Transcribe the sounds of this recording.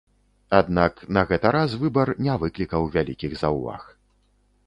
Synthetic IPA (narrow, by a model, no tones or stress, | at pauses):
ad̪naknɐɣɛt̪ɐɾasvɨbɐrnʲɛvɨklʲikɐwvʲalʲikʲiɣzawva̰x